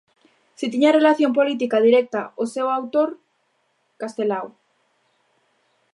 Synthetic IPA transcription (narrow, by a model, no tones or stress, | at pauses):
sit̪iɲarelaθjompolit̪̬ikað̞iɾek̚t̪aosewawt̪oɾ | kast̪elaw